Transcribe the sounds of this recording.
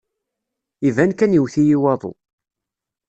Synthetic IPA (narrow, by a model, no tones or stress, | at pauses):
ivænkænjiwθijiwɑðˤo̰